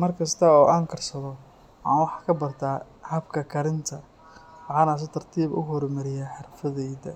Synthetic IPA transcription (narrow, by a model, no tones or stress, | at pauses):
mɐrkʰɐst̪ʰɐɔːʔaːŋkʰɐrsɐðɔ | ɑ̰ːnwɑħɑkʰɐbɐrt̪ʰaː | hɐbkʰɐkʰɐɾɪnt̪ʰɐ | wɑħɑːnaːs̬ɐt̪ʰɐrt̪ʰiːβʊ̰ɦɔɾmɐɾɪjaːħɑrfɐðɛjðɐ